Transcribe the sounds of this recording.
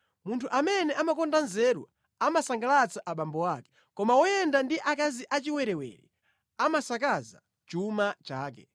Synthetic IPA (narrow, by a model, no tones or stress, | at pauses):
muntʰuʔamɛnɛʔamakɔndanzɛɾwa̰ | amasaŋɡalat͡saʔaɓambɔwakɛ̥ | kɔmawɔjɛndandiʔakaziʔat͡ʃiwɛɾɛwɛ̰ɾḭ | amasakaza̰ | t͡ʃumat͡ʃaːk̬ɛ